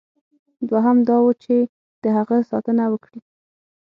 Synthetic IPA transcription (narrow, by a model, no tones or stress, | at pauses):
d̪waɦamd̪ɑwət͡ʃe | d̪̥əɦaɣəsɑt̪ənawəkɽi